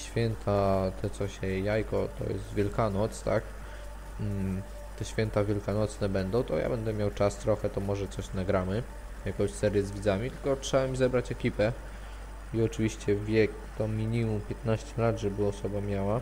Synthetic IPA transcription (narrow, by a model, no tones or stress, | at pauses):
ɕfʲjɛnt̪ʰat̪ʰɛt̪sɔɕɛjajkɔt̪ɔ̰jɛ̰st̪vʲjɛlkanɔt̪st̪a̰k̩ | t̪ɛɕfʲjɛnt̪avʲjɛlkanɔt̪snɛbɛnd̪ɔ̃w̃t̪ɔ̰jʔa̰bɛnd̪ɛmʲjawt͡ʂast̪ɾɔxɛt̪ɔmɔʐɛt̪sɔɕnaɡɾamɘ | jakɔ̃w̃ɕsɛɾʲjɛzvʲid̪zamʲit̪ɘlkɔtʂɛbamʲizɛbɾat͡ɕɛkʲipɛ | iɔt͡ʂɘvʲiɕt͡ɕɛvʲjɛkt̪ɔmʲiɲimumpʲjɛt̪naɕt͡ɕɛlat̪ʐɛbɘɔsɔbamʲjawa